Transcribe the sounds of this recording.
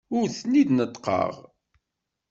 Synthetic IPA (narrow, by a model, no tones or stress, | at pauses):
ʊɾθnːid̪nət̪ːˤqɑ̰ʁ